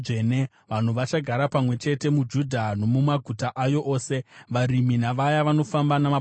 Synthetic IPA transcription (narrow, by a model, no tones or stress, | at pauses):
ene | ʋan̤uʋat͡ʃaɡʱaɾapamwe̞t͡ʃe̞te̞mud͡ʒudʱano̞mumaɡʱutaʔajo̞ʔoːse̞ʋaɾiminaʋajaʋano̞fambanama